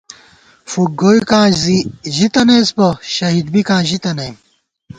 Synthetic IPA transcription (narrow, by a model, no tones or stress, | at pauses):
fuɡoːikãːziʑit̪ɐnespɐɕɐɦid̪̚bikãːʑit̪ɐne